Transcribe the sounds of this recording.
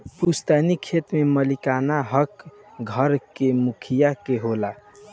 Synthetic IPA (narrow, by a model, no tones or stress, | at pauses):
pust̪ɛnikʰet̪meməlikanaɦəkɡʱəɾkemukʰijakeɦola